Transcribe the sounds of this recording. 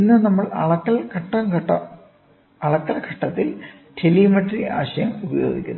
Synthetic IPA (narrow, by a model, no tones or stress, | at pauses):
inːɨnɐmːɐɭɐ̰ɭɐkːɐlkʰɐʈːɐmkɐʈːɐ̰ | ɐɭɐkːɐlkʰɐʈːɐt̪ːil | ʈʰelimɐʈːriʔa̰ːɕɐjɐmubɐjoːɡḭkʲːunːɐ